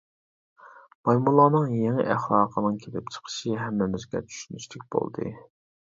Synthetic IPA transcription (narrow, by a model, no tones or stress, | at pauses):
mɑjmulˠɑːnɨŋjeŋɪ̰ʔæχlˠɑːqʰənɨŋkʲʰelɪpt͡ʃʰə̥qʰə̥ʃɨɦɛmːɪmɪzɡʲɛ̰t͡ʃ̪ʰy̥ʃynyʃt̪ɪk̚ʲb̥o̰lˠd̪ɨ̰